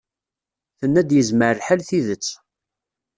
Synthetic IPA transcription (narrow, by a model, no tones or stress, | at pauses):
θənːæd̪jəzməɾħælθiðət͡sː